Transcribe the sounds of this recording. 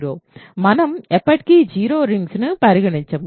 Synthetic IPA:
ɾoːmɐnɐmɛpːɐʈ̚kid͡ʒiːɾoːɾɪŋɡsnɯpɐɾɪɣɐɳɪt͡ʃːɐm

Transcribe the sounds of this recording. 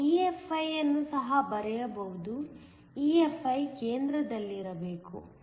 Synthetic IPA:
iːefɐjɐnːusɐɦɐbɐɾɛjɐbɐɦud̪u | iefɐjkeːnd̪ɾɐd̪ɐlːiːɾɐbe̞ːkṵ

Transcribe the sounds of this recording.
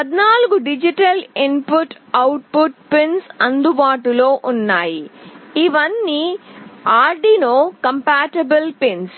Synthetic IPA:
pɐd̪naːluɡuɖid͡ʒiʈɐlimpuʈ | ɐwʈ̚puʈpensɐnd̪ubaːʈulo̞ːʔunːaːjiiʋɐnːiːaːɾɖinoːkɐmpaːʈɐbɐlpens

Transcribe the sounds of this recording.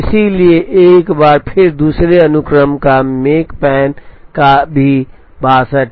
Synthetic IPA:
ɪsilieʔeːkbaːɾpʰɪɾd̪uːsɾeɐnʊkɾəmkameːkpɛːnkabʱi | baːsəʈ

